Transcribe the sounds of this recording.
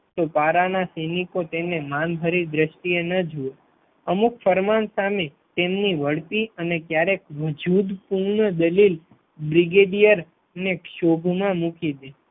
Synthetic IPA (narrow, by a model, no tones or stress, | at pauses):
t̪opaɾanasenikot̪enemanbʱəɾid̪ɾəʃʈienəd͡ʒue | əmukfəɾmansame | t̪emniʋəɽt̪iənekjaɾekʋəd͡ʒud̪puɾɳəd̪əlil | bɾiɡeɖijəɾ | nekʃobʱmãmukid̪e